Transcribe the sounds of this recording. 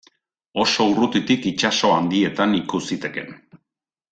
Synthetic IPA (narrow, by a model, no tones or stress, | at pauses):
o̞so̞urut̪it̪ikit͡ʃaso̞and̪ie̞t̪anikusit̪e̞ke̞n